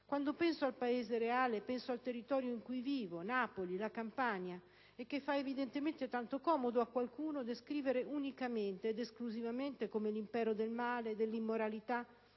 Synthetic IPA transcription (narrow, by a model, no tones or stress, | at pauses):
kwand̪opɛnsoalpaeːzeɾeaːlepɛnsoalt̪erːit̪ɔːɾjoiŋkujviːvonapolilakampaɲa | ekːefːaevid̪ent̪ement̪et̪ant̪okɔːmod̪oakːwalkuːnod̪eskɾiːveɾeʔunikament̪eːd̪eskluzivament̪ekomelimpɛːɾod̪elmaːled̪elːimːoɾalit̪a